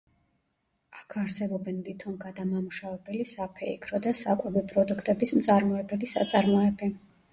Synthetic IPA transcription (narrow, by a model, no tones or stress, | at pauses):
akʰaɾsɛbɔbɛnlit̪ʰɔnɡad̪amamuʃavɛbɛlisapʰɛḭkʰɾɔd̪asakʼwɛvipʼɾɔd̪ukʰt̪ʼɛbismt̪sʼaɾmɔɛbɛlisa̰t̪sʼaɾmɔɛbi